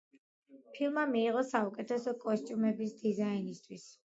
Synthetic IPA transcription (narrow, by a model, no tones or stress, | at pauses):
pʰilˠmamiːʁɔsaukʼɛt̪ʰɛsɔkʼɔst̪ʼjumɛbisd̪izainist̪ʰwis